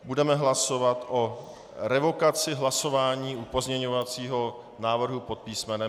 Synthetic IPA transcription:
budɛmɛɦlaso̞vat̪ʔo̞ | ɾɛvo̞kat͡sɪɦlaso̞vaːɲiːʔupo̞zɲɛɲo̞vat͡siːɦo̞ | naːvr̩ɦupo̞t̪̚piːsmɛnɛ

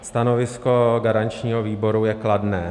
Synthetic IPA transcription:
st̪ano̞vɪsko̞ɡaɾant͡ʃɲiːɦoviːbo̞ɾujɛkladnɛː

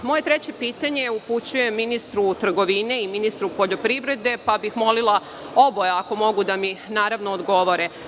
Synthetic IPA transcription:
mo̞je̞t̪ɾet͡ɕe̞piːt̪aɲe̞uput͡ɕuje̞mːinist̪ɾut̪r̩ɡo̞ʋine̞iminist̪ɾupoʎo̞pɾiʋɾe̞d̪e̞pabixmo̞lilˠa | o̞bojeako̞mo̞ɡud̪aminaːɾaʋnoːd̪ɡo̞ʋo̞ɾe

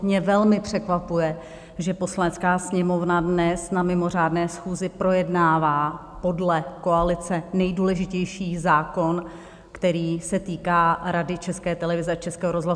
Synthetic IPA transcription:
mɲɛvɛlmɪpr̝̥ɛkvapujɛ | ʒɛpo̞slanɛt͡skaːsɲɛmo̞vnadnɛsnamɪmo̞r̝aːdnɛːsxuːzɪpɾo̞jɛdnaːvaː | po̞dlɛko̞alɪt͡sɛnɛjduːlɛʒɪcɛjʃiːzaːko̞n | kt̪ɛɾiːsɛt̪iːkaːɾadɪt͡ʃɛskɛːt̪ɛlɛvɪzɛat͡ʃɛskɛːɦoɾozla

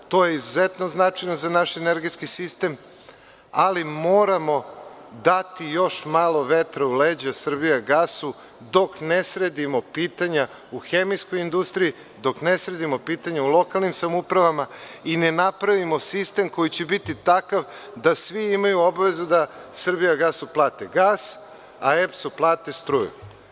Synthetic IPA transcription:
t̪o̞je̞izuzet̪noznat͡ʂajno̞zanaʃeneɾɡe̞t̪skisist̪e̞m | alimoːɾamo̞ | d̪at̪ijo̞ʃmaːlˠo̞ʋet̪ɾauleːd͡ʑasr̩bijaɡasu | d̪o̞knesɾe̞d̪imo̞piːt̪aɲa | uxemijsko̞jind̪ust̪ɾiji | d̪o̞knesɾe̞d̪imo̞piːt̪aɲaulˠo̞kalˠnimsamupɾaʋamainenapɾaʋimo̞sist̪e̞mko̞jit͡ɕebit̪it̪akaʋd̪asʋiimajuobaʋe̞zud̪asr̩bijaɡaːsuplˠaːt̪eɡaːs | aepsuplˠaːt̪est̪ɾuːjṵ

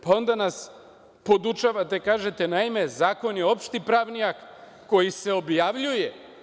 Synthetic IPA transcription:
pao̞nd̪anas | po̞d̪ut͡ʃaʋat̪e̞kaːʒe̞t̪e̞naime̞zaːko̞njeo̞pʃt̪ipɾaʋnijakː | o̞jise̞o̞bjaʋʎuje

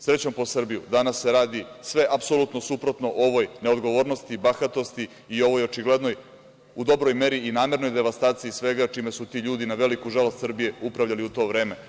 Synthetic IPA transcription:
sɾe̞t͡ɕo̞mpo̞sr̩bijud̪anasːeɾaːd̪isʋe̞ʔapso̞lˠut̪nosupɾo̞t̪no̞ʔo̞ʋo̞jne̞od̪ɡo̞ʋo̞ːɾno̞st̪ibaxat̪o̞st̪i | io̞ʋo̞jo̞t͡ʃiɡle̞d̪no̞j | ud̪o̞bɾo̞jme̞ɾiinaːme̞ɾno̞jd̪e̞ʋast̪aːt̪sijisʋe̞ɡat͡ʃimesut̪iːʎuːd̪inaʋe̞likuʒalost̪srbije̞upɾaʋʎaliut̪o̞ːʋɾe̞ːme

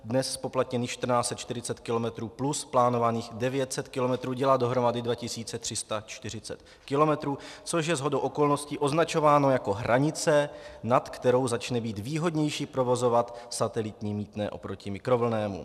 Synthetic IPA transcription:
dnɛsspo̞plat̪ɲɛniːxʃt̪r̩naːt͡sɛt̪t͡ʃt̪ɪɾɪt͡sɛt̪kɪlo̞mɛt̪ɾuːplusplaːno̞vaniːxdɛvjɛt̪sɛt̪kɪlo̞mɛt̪ɾuːɟɛlaːdo̞ɦɾo̞madɪdvacɪsiːt͡sɛt̪r̥ɪst̪at͡ʃt̪ɪr̝ɪt͡sɛ̰t̪ | kɪlo̞mɛt̪ɾuːt͡so̞ʃ̬jɛzɦo̞do̞wʔoko̞lno̞scɪʔo̞znat͡ʃo̞vaːno̞jako̞ɦɾaɲɪt͡sɛnat̪kt̪ɛɾo̞wzat͡ʃnɛbiːt̪viːɦo̞dɲɛjʃipɾo̞vo̞zo̞vat̪sat̪ɛlɪt̪ɲiːmiːt̪nɛ̰ːʔo̞̰pɾo̞cɪmɪkɾo̞vl̩nɛːmṵ

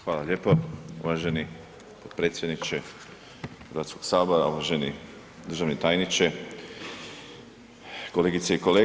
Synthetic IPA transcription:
xʋaːlaʎʲeːpoṵʋaʒeni | pod̪̥̚pɾe̞ːt̪sjed̪nit͡ʃe | xəɾʋaːt̪sko̞ɡ̥saːboɾauʋaʒe̞ni | d̪ɾr̩ʒaʋnet̪aːjnit͡ʃe | ko̞leːɡit̪seikole

